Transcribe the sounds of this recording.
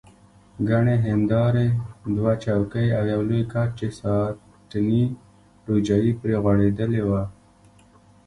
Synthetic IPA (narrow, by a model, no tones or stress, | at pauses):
ɡaɳeɦɪnd̪ɑɾed̪wat͡ʃɑwkəjawjawlujkaɾt͡ʃesɑ | ʈ̪ni | ɾud͡ʒajipɾeɣwaɽed̪əlewa